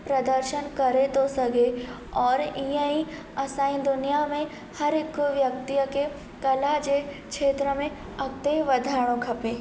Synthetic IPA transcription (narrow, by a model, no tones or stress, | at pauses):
pɾɐd̪əɾʃənkɐɾet̪osɐɡe | ɔːɾɪjə̃ĩ | ɐsãːĩd̪ʊnijamẽ | hɐɾɪkːʋjɐk̚t̪ijəke | kɐlad͡ʒekʃeːt̪ɾəmẽ | ɐk̚t̪eʋɐd̪ʱaːɽ̃õkʰɐpeː